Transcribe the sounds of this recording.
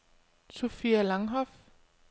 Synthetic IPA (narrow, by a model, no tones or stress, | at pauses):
sofiælɑ̈ŋɦɒf